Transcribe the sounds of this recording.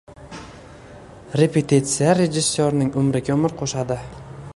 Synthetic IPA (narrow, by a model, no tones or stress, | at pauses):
ɾepet̪ʰit̪sɪjaɾed͡ʒɪsːoɾnɪŋʊmɾɪɡʲaʊmɪɾqʰoʃad̪ɪ